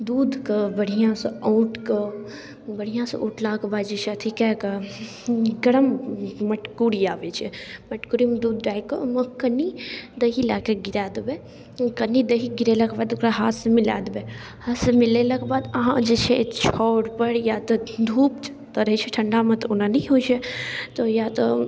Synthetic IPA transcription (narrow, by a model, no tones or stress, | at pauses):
d̪uːd̪kɐbɐɽijãsɐoːʈkɐ | bɐɽ̤ijãːsʔṵːʈʰlaːkbaːd̪d͡ʒet͡ʃʰiɐt̪ʰikɛkɐ | ɡɐɽɐmmɐʈkuːɾijaːʋet͡ʃʰimɐʈkuːɾimɐd̪uːd̪ɖaːikəmɐkənːid̪ɐɦilaːkeɡiɾaːd̪be | kɐnːid̪ɐɦiɡiɾelakbaːd̪kɾaɦaːsmɪla̰ːd̪be | hasmɪlelɐkbaːd̪ɐɦãd͡ʒet͡ʃʰet͡ʃʰɔːɽpɐɽjaːt̪ɐd̪ʱuːp | t̪ɐɾət͡ʃʰiʈʰɐɳɖaːmɐ̃t̪unanɐɦoːt͡ʃʰet̪ojaːt̪o